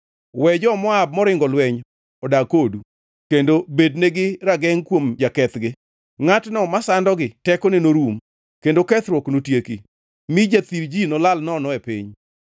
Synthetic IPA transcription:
wɛd͡ʒɔmɔab̚mɔɾɪŋɡɔlwɛɲ | ɔdakodu | kendobedneɡɪɾaɡɛŋkwomd͡ʒakɛt̪ɡɪ | ŋatnɔmasandɔɡɪtɛkɔnenoɾum | kendokɛt̪ɾwɔknotjeki | mid͡ʒat̪iɾd͡ʒinɔlalnɔnɔɛpḭɲ

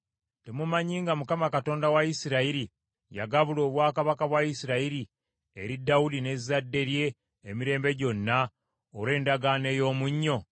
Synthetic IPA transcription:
te̞mumaɲiːŋɡamukamakato̞ːndawaisiɾaiɾi | ja̰ɡaβulo̞ːβwaːkaβakaβwaisiɾaiɾi | eɾidaudine̞zːadːe̞ɾje̞ː | miɾe̞ːmbe̞ɟo̞nːa | oɾe̞ːndaɡaːne̞ːjo̞ːmuɲːo̞

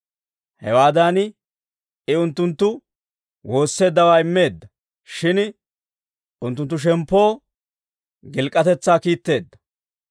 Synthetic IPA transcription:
hɛwaːd̪aːn | ɪʊnt̪ːʊnt̪ːʊ | wo̞ːsːe̞ːd̪ːɐwaːɪmːe̞ːd̪ːɐ | ʃɪn | ʊnt̪ːʊnt̪ːʊʃ̬ɛmpːo̞ː | ɡɪlkʼːɐt̪ɛt͡sːaːkiːt̪ːe̞ːd̪ːɐ̥

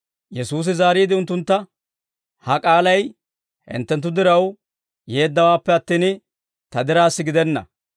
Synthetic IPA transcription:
jɛsuːs̬ɪzaːɾiːd̪ɪʊnt̪ːʊnt̪ːɐ | hɐkʼaːlɐj | hɪ̰nt̪ːɛnt̪̬ːʊd̪ɪɾɐw | je̞ːd̪ːɐwaːpːɛɐt̪ːiːn | t̪ɐd̪ɪɾaːsːɪɡɪd̪ɛnːɐ̰

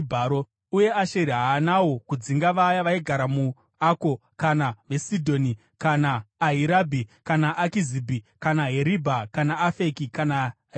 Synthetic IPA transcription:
bʱaːɾo | uje̞aʃeɾiɦaːnawo̞kud͡ziŋɡaʋajaʋaiɡʱaɾamu | ako̞kanaʋe̞sidʱo̞ːni | kanaːɦiɾabʱikanaʔːkizibʱikanaɦeɾibʱakanaːfe̞kikana

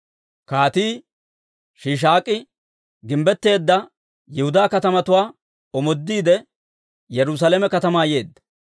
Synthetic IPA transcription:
kaːt̪iː | ʃiːʃ̬aːkʼːɪ | ɡɪmbɛt̪ːe̞ːd̪ːɐ | jɛhʊd̪aːkɐt̪ɐmɐt̪ʊwaː | ɔmɔd̪ːiːd̪ɛ | jɛɾʊs̬alemɛkɐt̪ɐmaːje̞ːd̪ːɐ̥

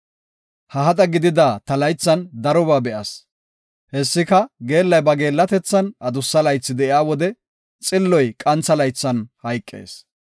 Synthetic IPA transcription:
hɐɦɐt̪ʼɐɡɪd̪ɪd̪aːt̪ɐlɐjt͡sːɐnd̪ɐɾɔbaːbɛʔɐs | hɛsːɪkɐɡe̞ːlːɐjbɐɡe̞ːlːɐt̪ɛt͡sːɐnʔɐd̪ʊsːɐlɐjt͡sːɪd̪ɛʔɪaːwɔd̪ɛ | t͡sʼɪlːɔjkʼɐnt͡sːɐlɐjt͡sːɐnhɐjkʼːḛːs

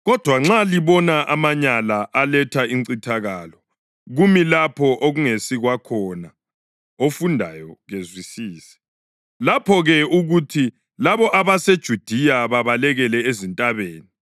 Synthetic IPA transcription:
ɣɔd̥ʱwaŋ͡ǁaliβɔnaʔamaɲalaʔalɛtʰaiŋǀitʰaɣaːlɔ | ɣumilapʰɔʔoɣuŋesiɣwakʰɔna | ofundʱa̰jɔɣezwisiːsɛ̥ | lapʰɔɣɛuɣutʰi | laβɔʔaβased̥ʒ̥ʱud̥ʱijaβaβalɛɣɛlɛezintʼaβeːni

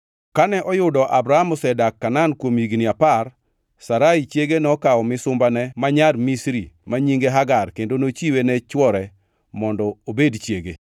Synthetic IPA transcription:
kanɛʔɔjʊdɔʔabɾaamɔsɛdakːanankwomiɡnɪapar | saɾait͡ʃjeɡenɛɔkaɔmɪsʊmbanɛmaɲarmisɾimaɲiŋɡeɦaɡarkendonot͡ʃiwenɛt͡ʃwɔɾɛ | mɔndɔobedt͡ʃjeɡe

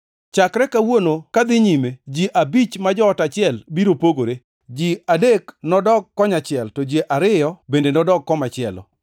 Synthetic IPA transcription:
t͡ʃakɾɛkawonokad̪ɪɲimed͡ʒiʔabit͡ʃmad͡ʒɔːtat͡ʃɪɛlbiɾopoɡoɾe | d͡ʒiadeknɔdɔɡ̚kːɔɲat͡ʃɪɛltɔd͡ʒeʔaɾɪjɔbendenɔdɔɡ̚kɔmat͡ʃɪɛlɔ̰

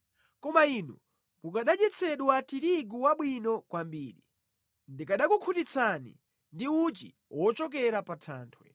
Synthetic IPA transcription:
kɔmainṵ | mukaɗad͡ʒɛt͡sʰɛɗwatiɾiɡuwaɓwinɔkwambiːɾi | ndikaɗakukʰutit͡sʰanḭ | ndiut͡ʃḭ | wʔɔt͡ʃɔk̬ɛɾapatʰaːntʰwɛ

